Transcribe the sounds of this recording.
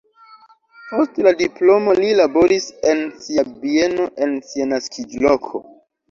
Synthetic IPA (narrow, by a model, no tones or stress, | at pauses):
po̞stladiplo̞mo̞lilabo̞ɾise̞nsiabie̞no̞ʔe̞nsianaskʰid͡ʒlo̞kʰo̞̰